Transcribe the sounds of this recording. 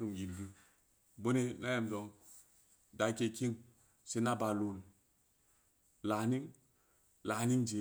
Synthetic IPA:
ɾu˨mji˨ndu˨ | bo˦ne˦na˦ja˨mzo˨ŋ | da˨˦kʲe˧ki˦ŋ | se˦na˦ba˨lu˨n˨ | la˨˦ni˦ŋ | la˨˦ni˦ŋd͡ʒe˨

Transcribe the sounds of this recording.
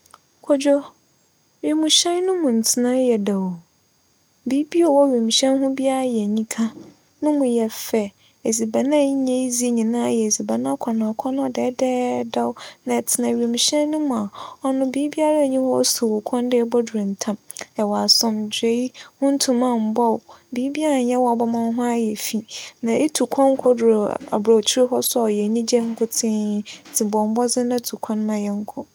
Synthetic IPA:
kʰɔ˨d͡ʑᶣɔ˦ | ɥe˨mũ˨ɕɛ̃˦n˦nʊ̃˦mʊ̃˨n̩˨tʰɪ˦nã˦jɛ˨da˨w | biː˦bi˦ɔ˨wɔ˦ɥe˨mĩ˨ɕɛ̃˦nɦʊ̃˦bi˦a˦ɾa˦jɛ˨ɲĩ˦kʰã˦ | nʊ̃˦mʊ̃˨jɛ˨fɛ˨ | e˨zi˨ba˨nã˦ɲẽ˦i˦zi˦ɲĩ˨nã˦˨jɛ˨e˨zi˨ba˨nã˦kʰɔ˨nã˨ɔ˨kʷʰɔ˦ñ˦ɔ˦˨dɛ˨˦dɛ˦da˦wnã˨tʰɪ˨nã˨ɥi˨e˨mũ˨ɕɛ̃˦nnʊ̃˦mʊ̃˨a˨ɔ˦nʊ̃˦biː˨˦bi˦a˦ɾa˦˨ɲĩ˦hɔ˦su˨wʊ˨kʷʰɔ̃˦n˦dɪ˦ɛ˦bɔ˦du˨ɾẽ˨n̩˨tʰã˦mɛ˨wa˨sɔ̃˨md͡ʑe˦i˦hʊ̃˦n̩˦tʰũ˨mã˦˨m̩˨bɔ˦wbi˨˦bi˦a˦ɾa˨˦jɛ˦wɔ˨a˨bɔ˦mã˦ɦʊ̃˦a˦jɛ˨fi˨nã˨e˦tʰu˨kʷʰɔ̃˦ŋ̩˦kʰɔ˦dɾo˨a̰˨bɾa˨t͡ɕʰi˦ɾɪ˦ɦɔ˦sʊ˦ɔ˨ɔ˨jɛ˨ɲĩ˦d͡ʑɛ̃˦ŋ̩˦kʰʊ˦tʰɪ̃˦˨tʰɪ˨bɔ˨m̩˨˦bɔ˦d͡zɪ̃˦nã˦tʰu˨kʰɔ̃˦n˦mã˦jɛ˦ŋ̩˦kʰʊ˨

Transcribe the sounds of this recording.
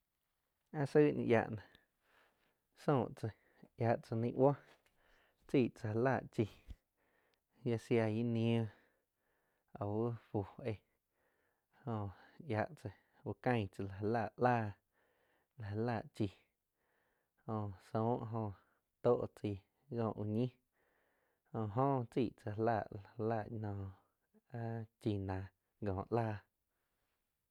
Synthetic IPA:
ã˦sə˦nḭ̃˧ʔja̰˧ʔnã˨ | sõː˧˨ʔt͡sə˧ | ja˧˨ʔt͡sə˧nĩ˧˦ʔwa˦ | t͡siː˧˨t͡sa˧laː˧˨ʔt͡ʃi˧ | ja˧sja˧ji˦nĩ˧˦õ˦˧ | a˨wu˦ɸu˨e˧ | hõ˧ja˧˨ʔt͡sə˧ | wu˧kə̃˦˧j̃t͡sa˧la˨e˧la˧˨ʔʔlaː˦˨ | la˨ɦe˧la˧˨ʔt͡ʃi˧ | hõ˧sõ˧˦ʔɦõ˧ | t̪o˦ʔt͡si˧˨ | ɡɔ̃ː˧˨ʔu˧ɲĩ˦ | hõ˧˨ɦõː˦t͡siː˦˨ʔt͡sa˧laː˧˨ʔla˨˧la˧˨ʔɲɔ̃ː˧˨ | a˦t͡ʃi˧˨nã˨ | ɡɔ̃ː˨ʔlaː˦˨

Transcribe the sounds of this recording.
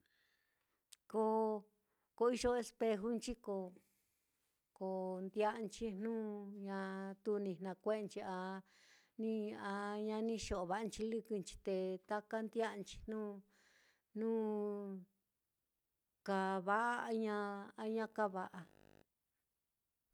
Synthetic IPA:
ko˧ | ko˧i˧ʒo˧e˧spe˧ɦu˦nt͡ʃi˦ko˧ | ko˨nd̪ja˦ʔnt͡ʃi˦nnũː˦ɲã˧t̪u˧nĩ˧˨n̥ã˧kʷe˦˧nt͡ʃi˧a˧ | nĩ˦a˧ɲã˧nĩ˦ʃo˨ʔβa˧˨a˧nt͡ʃi˧lɨ˦kɨ˧nt͡ʃi̥˧t̪e˧t̪a˦ka˦nd̪ja˦˧nt͡ʃi̥˧n̥ũː˦ | nũː˦ | ka˧˨βa˧˦ʔa˦˧ɲã˧a˧˦ɲã˦ka˦βa˧ʔa˧

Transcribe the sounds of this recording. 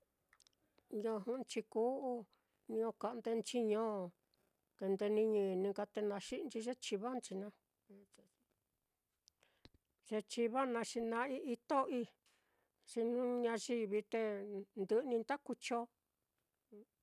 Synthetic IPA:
ɲõ˧˨ɦũ˧˦˧t͡ʃi˧ku˦ʔu˦ | ɲĩ˧õ˧ka˨˧ʔnd̪e˧nt͡ʃi˦ɲõ˦˨ | t̪e˧nd̪e˧nĩ˧ɲĩ˧˨˧nĩ˧ka˧t̪e˧nã˧ʃi˦ʔnt͡ʃi˧ʒe˦t͡ʃi˧βa˦nt͡ʃi˧nã˧ | ʒ̥e˧t͡ʃi˧βa˦nã˧ʂi˧nã˧i˦ʔi˧t̪o˦ʔi˧ | ʂi˧nũ˦ɲã˧ʒi˧βi˧t̪e˧nd̪ɨ˧ʔnĩ˧nt̪a˦ku˧t͡ʃo˧

